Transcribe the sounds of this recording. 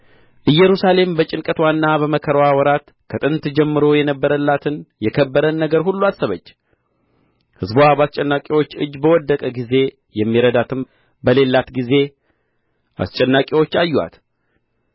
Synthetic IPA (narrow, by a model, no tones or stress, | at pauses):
ʔɨjːɛɾusale̞mbət͡ʃʼɪnkʼət̪wanːaβəməkʰəɾwawɔɾat̪ | kʰət̪ʼɨnt̪d͡ʒɛmːɨɾo̞jɛnəbːəɾəlːat̪ʰɨnjɛkʰəbːəɾənːəɡəɾɦulːuasɨβət͡ʃː | hɨzbabast͡ʃʼɛnːakʼewo̞t͡ʃːɨ̰d͡ʒːbəwɔd̪ːəkʼəɡize̞ | jɛmːiɾəd̪at̪ʰɨm | bəle̞lːat̪ɡize̞ | ʔa̰st͡ʃʼɛnːakʼewo̞t͡ʃːajːwa̰t̪